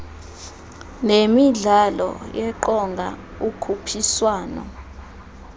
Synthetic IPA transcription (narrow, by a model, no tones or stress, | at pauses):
nemiɮalɔ̰jɛǃɔŋɡʱa̰ | ukʰupʰiswaːnɔ̰